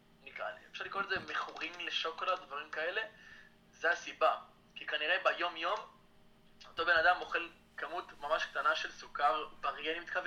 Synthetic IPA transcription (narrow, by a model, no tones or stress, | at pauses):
nikʁa̰lḭefʃaʁlikʁolezemeχuʁimleʃokolad̪̚d̪vaʁimkae̞le̞ | zeasiba | kikaniʁebajo̞mjo̞m | o̞t̪o̞be̞nad̪amo̞χe̞l | kamut̪mamaʃk̚t̪anaʃe̞lsukaʁbaʁjenimit̪kave